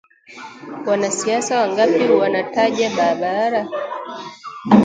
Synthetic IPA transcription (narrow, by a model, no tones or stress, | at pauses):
wanasiasawaŋɡapiwanataʄaɓaɾaɓaɾa